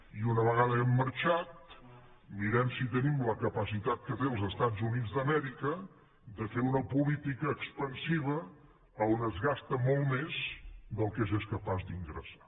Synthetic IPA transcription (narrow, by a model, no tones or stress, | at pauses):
iunəβəɣaðəɛmːəɾt͡ʃat̪ | miɾɛmsit̪ənimləkəpəsit̪at̪̚kət̪eəlˠzəst̪azunid͡zd̪əmɛɾikə | d̪əfeɾunəpulit̪ikəːkspənsiβ̞əː | onəzɣast̪əmolˠmezd̪əlˠkezeskəpazd̪iŋɡɾə̰sḁ